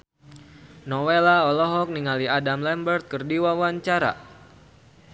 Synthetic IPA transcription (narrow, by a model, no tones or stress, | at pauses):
nɔwelaɔlɔɦɔk̚niŋaliadamlɛmbərt̪̚kərdiwawaɲt͡ʃaɾa̰